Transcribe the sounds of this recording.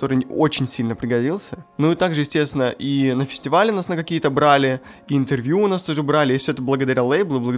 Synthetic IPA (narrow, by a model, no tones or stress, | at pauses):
t̪o̞ɾɨot͡ɕɪnʲsʲilʲnəpɾʲɪɡɐdʲilˠsʲənuit̪aɡʐɨjɪsʲtʲest̪ʲɪnəʔinəfʲɪ̥sʲtʲɪvalʲɪnasnəkɐkʲijət̪əbɾalʲɪ | ɪnt̪ɨrvʲjuːnast̪oʐɨbɾalʲɪɪfsʲoɛt̪əblˠəɡəd̪ɐɾʲalˠejblˠəblˠəɡə